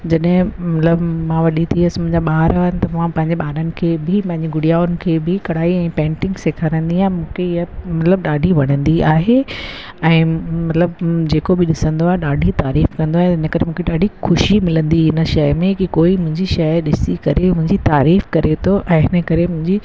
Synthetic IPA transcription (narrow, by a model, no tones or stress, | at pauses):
d͡ʑɐɗɦɪ̃mɐt̪ləbmãʋɐɗit̪ʰiəsɪmʊ̃ɦɪ̃ɲd͡ʑaɓaːɾaɦənt̪ɐmãpɐ̃ɦɪ̃ɲd͡ʑeɓaːɾənɪ̆kʰeːbʱɪpɐ̃ɦɪ̃ɲd͡ʑeɡʊɽijaːʊnɪ̆kʰeːbɪkɐɽ̤aːiɛ̃ːpɛ̃ːɳʈɪ̃ŋɡseːkʰaːɾə̃nd̪iaːẽmũːkʰeɪɦəmɐt̪ləb̚ɗaːɖʱiʋɐɽ̤̃ə̃nd̪iaːɦe | ɛ̃ːmɐt̪ləbd͡ʑeːkobɪɗɪsə̃nd̪oaːɦeɗaːɖʱit̪aːɾiːfkɐ̃nd̪oaɦet̪ɪnəkɐɾemũːkʰeɗaːɖʱixʊʃimɪlə̃nd̪iɪnəʃɐjmẽkikoːimʊ̃ɦɪ̃ɲd͡ʑiʃɐjɗɪsikɐɾemʊ̃ɦɪ̃ɲd͡ʑit̪aːɾiːfkɐɾet̪ʰoʔɛ̃ːɦɪnəkɐɾemʊ̃ɦɪ̃ɲd͡ʑi